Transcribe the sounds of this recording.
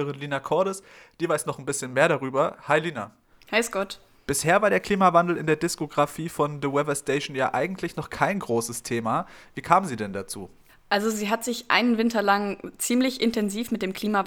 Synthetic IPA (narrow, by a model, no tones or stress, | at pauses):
əʁɪnliːnakʰɔɐɾəsd̥iːvaɪsnɔχn̩bɪsçənmeːɐɾaʁyːbɐhaɪliːna | haɪsɡ̥ɔt | b̥ɪsheːɐvaɐɾeːɐkl̥iːmavandl̩ɪ̰ndeːɐdɪskoɡʁafiːfɔnðəwɛvɐsteɪʃn̩jaːʔaɪɡŋ̩tlɪçnɔχkʰaɪnɡʁoːsəstʰeːmaviːkʰaːmənziːdɛndat͡sṵː | ʔalzoziːɦatz̥ɪçʔa̰ɪnənvɪntɐlaŋt͡siːmlɪçʔɪntɛnziːfmɪt̚d̥eːmkʰl̥iːma